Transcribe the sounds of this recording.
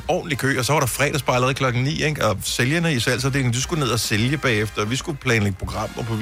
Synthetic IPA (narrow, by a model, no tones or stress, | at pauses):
ɒ̰ːn̩likʰø̰ːɒ̽sɒ̽ʋɑ̈ɾɑ̈fʁɛ̰ːd̥ɐsb̥ɑ̈ɪlˠʁɐð̩ˠkʰlɒ̽ɡ̥ŋ̩nḭːeɡ̥ɒ̽seljɐnəisæl̰s̬ɒb̥̚d̥e̝ːle̝ŋd̥usɡ̥une̝ð̞̰ˠæseljəb̥ɛ̰ːefd̥ɐʋisɡ̥upʰlɛːnleɡ̥ə̥pʰʁoɡ̥ʁɑ̈m̰ɒpʰɒ̽